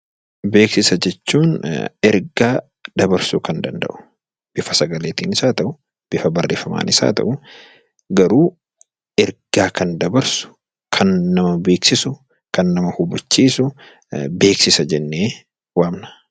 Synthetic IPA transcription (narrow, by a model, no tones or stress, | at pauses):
be̞ːksɪsɐd͡ʒɛt͡ʃːuːnɛɾɡaː | d̪̥ɐbɐɾsukɐnd̪ɐnd̪ɐ̰ʔʊ̥ | b̥ɪfɐsɐɡɐleːt̪iːnɪsaːt̪ɐʔʊ | b̥ɪfɐbɐrːeːfɐma̰ːnʔɪsa̰ːt̪ɐ̰ʔʊ | ɡɐɾuː | ɛɾɡ̥aːkɐnd̪ɐbɐɾsʊ̥ | kʰɐnːɐmɐbe̞ːksɪsʊ | kɐnːɐmɐhʊbɐt͡ʃːiːsʊ | be̞ːksɪsɐd͡ʒɛnːeː | waːmnɐ̥